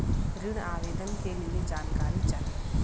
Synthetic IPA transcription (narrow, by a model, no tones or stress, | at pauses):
ɾiɽ̃aːʋeːd̪ənkelijed͡ʒaːnkaːɾit͡ʃaːɦ